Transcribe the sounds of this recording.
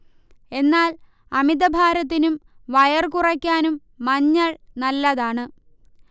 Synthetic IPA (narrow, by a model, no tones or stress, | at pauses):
e̞nːaːl | ɐmid̪ɐbʱaːɾɐt̪̬ːinumʋɐjɐrkurɐkʲːaːnumː | ɐɲːɐɭnɐlːɐðaːɳɨ